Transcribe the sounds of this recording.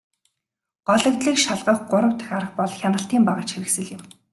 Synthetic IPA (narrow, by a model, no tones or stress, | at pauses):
ɢ̥ɔɮə̆k̚t̪ɮiːkʃaɮʁə̆χɢʊɾə̆w̥t̪ʰɘ̥̆xaɾə̆xpɔɮxʲanə̆ɬt̪iːmpaʁə̆t͡ɕxeɾɘ̆ksɘ̆ɮɪ̆m